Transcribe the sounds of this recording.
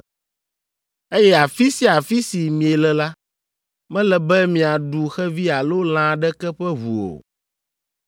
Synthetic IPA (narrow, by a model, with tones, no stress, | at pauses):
e˦jɛ˦a˨fi˦si˦a˨fi˦si˨mĩ˨e˨lɛ˨la˦ | mɛ̃˦lɛ˨bɛ˦mĩ˨a˨ɖu˨xɛ˦vi˦a˨lo˦l̃ã˦ɖɛ˦kɛ˦ɸɛ˦vṵ˨o̰˨